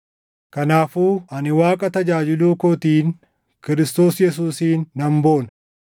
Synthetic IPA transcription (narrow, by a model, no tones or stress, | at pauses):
kɐnaːfuːʔɐnɪwaːkʼɐt̪ɐd͡ʒaːd͡ʒɪluːkɔt̪iːn | kɪɾɪst̪o̞ːsjɛs̬uːsiːnːɐmboːnɐ